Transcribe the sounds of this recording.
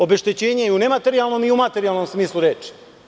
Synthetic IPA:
o̞be̞ʃt̪et͡ɕe̞ːɲejune̞mat̪e̞ɾialˠno̞miumat̪e̞ɾialˠno̞msmiːslˠuɾeːt͡ʃi̥

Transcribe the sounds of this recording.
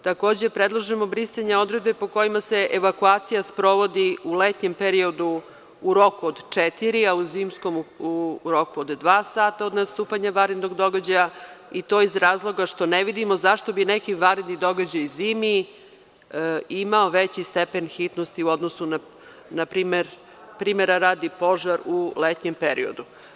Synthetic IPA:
t̪ako̞ːd͡ʑe̞pɾed̪lˠaʒemo̞bɾisaɲao̞d̪ɾed̪̚be̞po̞ko̞jimase̞ʔeʋakuaːt̪sijaspɾo̞ʋo̞d̪iulet̪ɲe̞mpeɾio̞d̪u | uɾo̞kuod̪t͡ʂet̪iɾiauziːmsko̞mː | ɾo̞kuod̪d̪ʋaːsaːt̪aod̪nast̪uːpaɲaʋaɾed̪noɡd̪o̞ɡad͡ʑajait̪o̞ːizɾaːzlˠo̞ɡaʃt̪o̞neʋid̪imozaʃt̪o̞binekiʋaɾed̪nid̪o̞ɡad͡ʑajziːmi | imaoʋet͡ɕist̪epe̞nxit̪nost̪iuod̪nosuna | napɾiːmeɾ | pɾiːmeɾaɾaːd̪ipo̞ʒaɾulet̪ɲempeɾḭo̞̰d̪u

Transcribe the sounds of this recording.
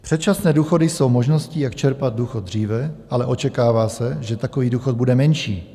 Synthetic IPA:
pr̥ɛt̪̚t͡ʃasnɛːduːxo̞dɪso̞wmo̞ʒno̞scijakt͡ʃɛɾpad̪̚duːxod̪̚dr̝iːvɛʔalɛʔo̞t͡ʃɛkaːvaːsɛʒɛt̪akoviːduːxod̪budɛmɛnʃḭː

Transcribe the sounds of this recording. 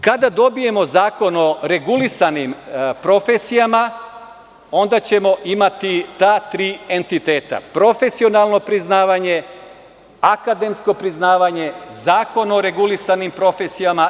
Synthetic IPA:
kad̪ad̪o̞bije̞mo̞zaːko̞no̞ɾe̞ɡulisanimpɾo̞fesijama | o̞nd̪at͡ɕe̞mo̞ʔimat̪it̪aːt̪ɾiːe̞nt̪it̪e̞ːt̪a̰pɾo̞fe̞sio̞nalˠno̞pɾiznaːʋaɲe̞ | akad̪e̞msko̞pɾiznaːʋaɲe̞zaːko̞no̞ɾe̞ɡulisanimpɾo̞fe̞sijama

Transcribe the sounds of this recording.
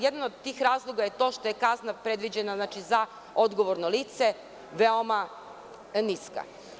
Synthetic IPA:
jed̪anod̪t̪ːiːxɾaːzlˠoɡaje̞t̪o̞ʃt̪o̞je̞kaznapɾe̞d̪ʋid͡ʑenaznat͡ʃiza | od̪ɡoʋoɾnoliːt̪se | ʋeoma | niska̰

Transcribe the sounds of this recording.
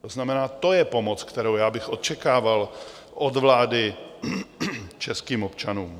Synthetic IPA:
t̪oznamɛnaːt̪o̞jɛpo̞mot͡skt̪ɛɾowjaːbɪxʔo̞t̪t͡ʃɛkaːval | ʔod̪vlaːdɪ | t͡ʃɛskiːmo̞pt͡ʃanuːm

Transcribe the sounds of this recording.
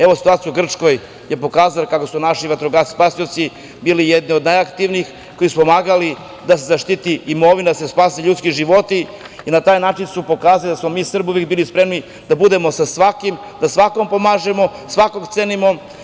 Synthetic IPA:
e̞ʋosi̥t̪uaːt̪sjuɡr̩t͡ʃko̞j | jepo̞kaːzalkako̞sunaʃiʋat̪ɾoɡaspasio̞t̪si | biːlijed̪niod̪najakt̪iʋnix | kojisupo̞maːɡali | d̪as̬ezaʃt̪it̪iːmo̞ʋinad̪asespaːseʎut̪skiʒiʋo̞t̪i | inat̪aːjnaːt͡ʃinsupo̞kaːzalid̪asmo̞miːsr̩buʋekbiːlispɾe̞mni | d̪abud̪e̞mo̞sasʋakim | d̪asʋako̞mpomaːʒe̞mo̞sʋako̞ɡt̪senimo

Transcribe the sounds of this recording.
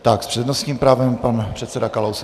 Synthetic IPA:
t̪akspr̝̥ɛdnost̪ɲiːmpɾaːvɛmpanpr̥ɛt̪sɛdakalows

